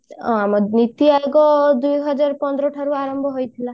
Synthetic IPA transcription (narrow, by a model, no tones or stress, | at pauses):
ɔ̰amɔnit̪iajɡɔd̪ujɦɔd͡ʒaɾpɔnd̪ɾɔʈʰaɾuaɾɔmbʱɔɦojt̪ʰila